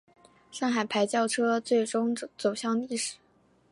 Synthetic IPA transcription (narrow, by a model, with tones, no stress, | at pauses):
ʂɑ˥˩ŋxa˨˩ɪpʰa˧˥ɪt͡ɕjɑ˥˧ʊʈ͡ʂʰɤ˥t͡swe˥˩ɪʈ͡ʂʊ˥ŋt͡so˨˩ʊɕjɑ˥˧ŋi˥˩ʂɻ̩˨˩˦